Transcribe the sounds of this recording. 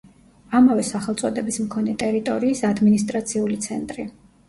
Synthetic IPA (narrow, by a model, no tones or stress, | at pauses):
amavɛsaχɛlˠt̪sʼɔd̪ɛbismkʰɔnɛt̪ʼɛɾit̪ʼɔɾiːsad̪minist̪ʼɾat̪sʰiulit̪sʰɛnt̪ʼɾi